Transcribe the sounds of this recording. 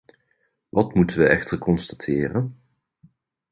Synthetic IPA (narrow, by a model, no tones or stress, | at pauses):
ʋɑtmutənʋəɛxtərkʰɔnstḁtʰɪːrən